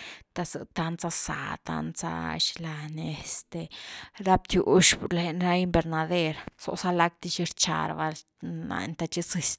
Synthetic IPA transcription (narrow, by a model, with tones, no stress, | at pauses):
t̪a˧sɨ̰˨t̪a˧nt͡sa˧sa̰˨t̪a̰˧nt͡sa̰˦ʃla˧ne˧st̪e˨ɾa˦p̚t̪ju˨˦ʃpu˨ɾle˨nɾa˦i˧mbe˧ɾna˧d̪e˧ɾso̰˧ʔsa˦la˦k̚t̪i˧ʃi˧ɾt͡ʃa̰˧ɾba˧l | na̰˨nt̪a˧t͡ʃi˦si˨st̪